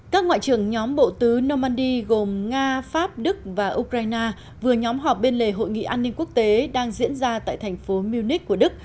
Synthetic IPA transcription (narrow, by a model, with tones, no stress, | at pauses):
kaː˦˥k̚ŋwa̰ː˧˨t͡ɕɨ˨˩əŋɲɔ˨˦mɓo̰˧˨t̪ɨ˨˦nɔ˧ma˧nɗi˧ɣo˨˩mŋaː˧faː˦˥p̚ɗɨ˦˥k̚vaː˨˩ʔu˧kɾaː˧jnaː˧ | vɨ˨˩əɲɔ˨˦mɦɔ˨˩p̚ɓe˧nle˨˩ɦo̰˧˨jŋḭ˧˨ʔaː˧nːi˧ŋku˦˥ək̚t̪e˨˦ɗaː˧ŋzḭ˧˥ənzaː˧t̪a̰ː˧˨jt̪ʰɛ˨˩jŋ̟fo˨˦mi˧wni˦˥k̚kːu˧˩əɗɨ˦˥k̚